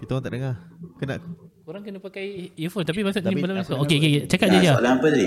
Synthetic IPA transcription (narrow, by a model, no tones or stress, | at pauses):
kit̪aoaŋt̪aʔdəŋakəna̰ʔk | oɾaŋkənapakajifont̪ap̬imasoʔibəlamãsookeoket͡ʃakat̪̚d͡ʒad͡ʒa̰laŋapədi